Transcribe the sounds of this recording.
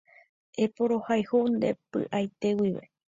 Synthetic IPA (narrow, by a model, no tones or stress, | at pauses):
epoɾo̞hajhund̪e̞̰pɨ̰ʔajt̪e̞wiʋḛ